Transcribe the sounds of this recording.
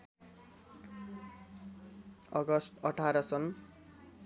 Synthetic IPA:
ʌɡʌst̪ʌʈʰaɾʌsʌn

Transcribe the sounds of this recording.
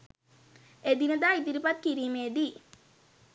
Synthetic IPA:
ed̪inəd̪aːid̪iɾipat̪̚kiɾiːmeːd̪i

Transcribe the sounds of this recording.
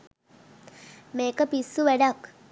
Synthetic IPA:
meːkəpisːuʋæɖak

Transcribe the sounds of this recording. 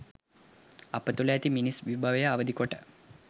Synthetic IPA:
ɐpət̪uləjat̪iminisʋibʱaʋejaːʋəd̪ikoʈə

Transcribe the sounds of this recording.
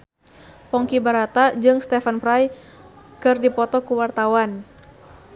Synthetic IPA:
pɔŋkibaɾat̪ad͡ʒɨŋst̪ɛfanpɾaj | kɨrdipɔt̪ɔkuwart̪awan

